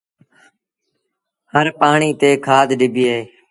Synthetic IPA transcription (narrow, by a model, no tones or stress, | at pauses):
həɾpaːɳiːt̪eːkʰaːd̪ɗɪbʱɪeː